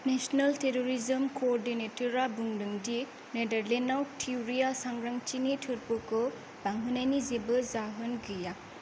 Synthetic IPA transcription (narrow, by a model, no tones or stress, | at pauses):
nesɔnɐlteɾoɾizɐmkoːɾdinetɔɾabuŋɾɯŋdi | nedɐɾlenawtʰiwɾijasaŋɾaŋt͡ʃinitʰɯɾpukɯ | baŋɦɯnajnizebɯzaɦɯnɡɯja